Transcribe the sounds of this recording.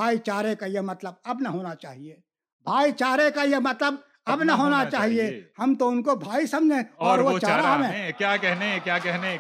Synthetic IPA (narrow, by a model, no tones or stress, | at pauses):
bʱaːit͡ʃaːɾẽkajemɐt̪ləb̚ɐbnɐɦoːnat͡ʃa̰ːɦie | bʱaːit͡ʃaːɾekajemɐt̪ləb | ɐbnɐɦoːnat͡ʃaːɦiehɐmt̪oʊnkobʱaːisɐmd͡ʒʱẽɔːɾʋot͡ʃaːɾaɦɐmẽkjaːkɛɦnẽkjaːkɛɦne